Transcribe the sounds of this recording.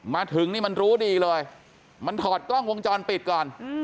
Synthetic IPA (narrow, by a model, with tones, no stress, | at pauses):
maː˧t̪ʰɯ˩˦ŋniː˥˩ma˧nɾuː˦˥diː˧lɤː˧j | ma˧nt̪ʰɔː˨˩t̪̚klɔ˥˩ŋwo˧ŋt͡ɕɔː˧npi˨˩t̪̚kɔː˨˩n